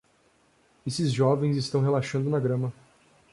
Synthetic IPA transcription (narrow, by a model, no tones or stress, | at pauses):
esɪzʒɔvẽj̃zɪst̪ɐ̃w̃ɦelaʃɐ̃nd̪ʊnaɡɾɐ̃mɐ